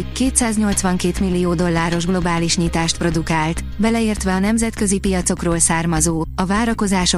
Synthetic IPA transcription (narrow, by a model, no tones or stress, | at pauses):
keːt̪saːzɲo̞lt̪sʋɒŋkeːt̪milːijoːd̪o̞lːaːɾo̞ʒɡlo̞baːliʃɲit̪aːʃt̪̚pro̞d̪ukaːlt̪ | bɛlɛeːrt̪ʋɛɒnɛmzɛt̪kø̞zipijɒt̪so̞kroːlsaːrmɒzoːɒvaːɾɒko̞zaːʃo